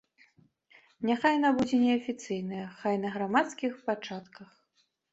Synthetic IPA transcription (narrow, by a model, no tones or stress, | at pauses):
nʲaxajnabud͡zʲɛnʲɛɐfʲit̪sɨjnɨjɐxajnɐɣɾamat̪skʲixpat͡ʂat̪kɐx